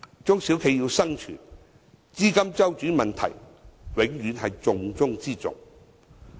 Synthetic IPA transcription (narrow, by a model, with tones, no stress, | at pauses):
t͡sʊ˥ŋsi˨˥wkʰe˨˧jiː˧wsɐ˥ŋt͡ʃʰy̰ː˨˩n | t͡siː˥kɐ˥mt͡sɐ˥wt͡ʃyː˨˥mɐ˨nt̪ʰɐ̰˨˩j | wɪ˨˥ŋjyː˨˧˥nɦɐ˨jt͡sʊ˨ŋt͡sʊ˥ŋt͡siː˥t͡sʊ̰˨ŋ